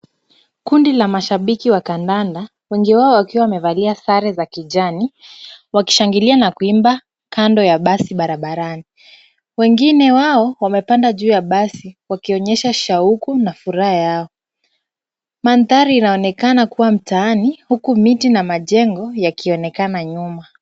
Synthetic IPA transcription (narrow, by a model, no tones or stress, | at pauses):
kundilamaʃaɓikiwakandanda | wɛŋɡiwaɔwakiwawamɛvaliasaɾɛzakiʄaniwaki̥ʃaŋɡilianakuimba | kandɔjaɓasiɓaɾaɓaɾani | wɛŋɡinɛwaɔwamɛpandaʄuːjaɓasiwakiɔɲɛʃaʃaukunafuɾahajaɔ | manðaɾiːnaɔnɛkanakuwam̩taanihukumitinamaʄɛŋɡɔjakʰiɔnɛkanaɲuma